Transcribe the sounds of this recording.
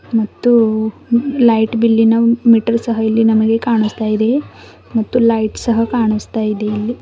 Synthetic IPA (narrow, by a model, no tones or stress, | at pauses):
mɐt̪ːu | lɐjʈbilːinɐmiʈɐɾsɐɦɐɐlːinɐmɐɡe̞kaːɳust̪aːjid̪e̞ | mɐt̪ːulɐjʈsɐɦɐkaːɳust̪aːjid̪eɐlːi